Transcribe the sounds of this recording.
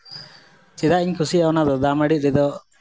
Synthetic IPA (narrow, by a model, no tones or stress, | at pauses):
t͡ʃɛd̪aʔiɲkʰusiaɔnad̪ɔd̪amaɽit̪̚ɾɛd̪ɔ